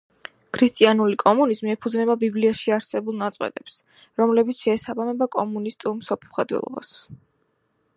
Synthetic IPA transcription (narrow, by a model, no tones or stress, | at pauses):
kʰɾist̪ʼianulikʼɔmunizmiɛpʰud̪znɛbabibliaʃiaɾsɛbulˠnat̪sʼqʼwɛ̰t̪ʼɛps | ɾɔmlɛbit̪sʰʃɛːsabamɛbakʼɔmunist̪ʼuɾmsɔpʰχad̪wɛ̰lˠɔ̰ba̰s